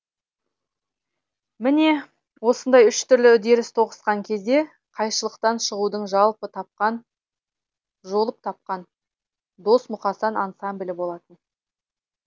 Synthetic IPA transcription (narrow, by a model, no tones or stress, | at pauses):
mɪne̞ | wo̞sənd̪ɑjʏʃt̪ʰʏɾlɪʏd̪e̞ɾɪst̪ʰo̞ʁə̥sqɑŋkʲʰe̞zd̪e̞ | qʰɑjʃəlˠəqt̪ɑnʃəʁud̪əɴʒɑlˠpət̪ʰɑp̚qɑn | ʒo̞lˠəp̚t̪ʰɑp̚qɑn | d̪o̞smʊqɑsɑnɑnsamblʲɪbo̞lˠɑt̪ən